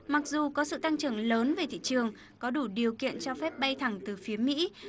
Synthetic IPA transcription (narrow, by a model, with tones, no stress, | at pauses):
ma˨˩k̚zu˨˩kɔ˨˦sɨ̰˧˨t̪a˧ŋt͡ɕɨ˨˩əŋləː˨˦nve˨˩t̪ʰḭ˧˨t͡ɕɨ˨˩əŋ | kɔ˨˦ɗu˧˩ɗi˨˩əwkḭ˧˨ənt͡ɕɔ˧fɛ˦˥p̚ɓa˧jt̪ʰa˨˧˩ŋt̪ɨ˨˩fi˨˦əmḭ˧˥